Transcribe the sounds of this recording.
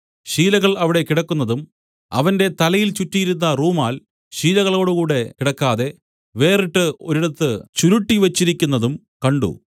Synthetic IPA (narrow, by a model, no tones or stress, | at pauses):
ɕiːlɐɣɐɭɐʋiɽe̞kiɽɐkːunːɐðum | ɐ̰ʋɐnde̞t̪ɐlɐjilt͡ɕutːijiɾunːɐruːmaːl | ɕiːlɐɣɐɭo̞ːɽukuːɽe̞kiɽɐkːaːðe̞ | ʋe̞ːriʈːɨo̞ɾiɽɐt̪ːɨt͡ɕuɾuʈːiʋɐt͡ɕːiɾikʲːunːɐðum | kɐɳɖṵ